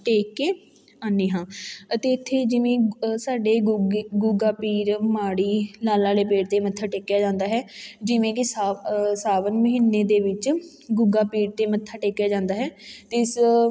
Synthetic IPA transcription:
ʈeːkeː | aːneːɦãːət̪eːɪt̪ʰːeːd͡ʒɪʋẽːsaːɖeːɡuɡaːpiːɾmaːɽiːlaːlãːleːpeːɽt̪eːmət̪ʰːaːʈeːkjaːd͡ʒãːnd̪aːɦɛːd͡ʒɪʋẽːkɪsasaːʋənməɦiːnːeːd̪eːʋɪt͡ʃ | ɡʊɡaːpiːɾt̪eːmət̪ʰːaːʈeːkjaːd͡ʒãːnd̪aːɦɛːt̪eːɪs

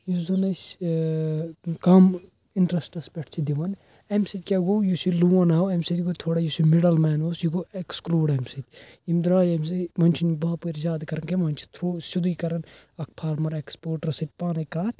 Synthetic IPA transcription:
jizɐnɐs | kaːm | iɳʈɾɐsʈɐspʲɛʈʰt͡ʃʰid̪iʋɐn | emsit̪ʲkʲaɡojusiluwɐnaːwemsit̪ʲɡoːt̪ʰoːɽajusimiɽɐlmɛːnoːsjiɡoekskluːɽemsit̪ʲ | imd̪ɾaːjemsimɐnʲt͡ʃʰinbaːpuɾzaːd̪kɐɾɐnkemɐnʲt͡ʃʰi̥t̪ʰɾuːsud̪ikɐɾɐnɐk̚ʰpʰaːɾmɐɾekspoːɾʈɐɾsit̪̚ʲpaːnɐkaːt̪ʲʰ

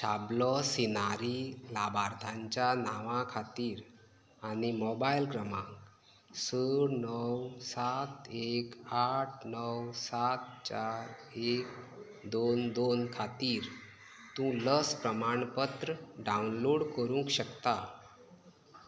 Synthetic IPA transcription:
ɕablɔsinaɾiːlabaɾt̪ʰãɲt͡ɕjanaʋãkʰat̪iːɾ | añimobailkɾəmãŋk | soɾnəwsat̪ekaʈʰnəwsat̪t͡ɕaɾ | ek | d̪ond̪onkʰat̪iːɾ | t̪ũləspɾəmaɳpət̪ɾəɖawnloɽkəɾũŋkɕəkt̪a

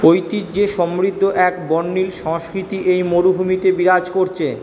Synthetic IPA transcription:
ojt̪itd͡ʑeʃɔmɾid̪ʱːoʔɛkbɔnːilʃɔŋʃkɾit̪iʔejmoɾubʱumit̪ebiɾad͡ʑkoɾt͡ɕʰe

